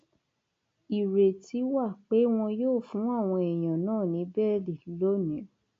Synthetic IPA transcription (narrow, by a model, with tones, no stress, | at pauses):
i˨ɾe˨ti˨˦wa˦˨k͡pe˨˦w̃ɔ̃˧joː˦˨fũ˨˦a˦˨w̃ɔ̃˧ɛ˨j̃ã˨nãː˦˨nĩ˨˦bɛ˦li˨˦lo˦nĩ˨˦